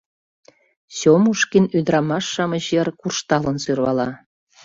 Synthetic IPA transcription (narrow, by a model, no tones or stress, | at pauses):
sʲomuʃkinyd̪ɾɑmɑʃːɑməʑjerkurʃt̪ɑlə̆nsyrβɑlɑ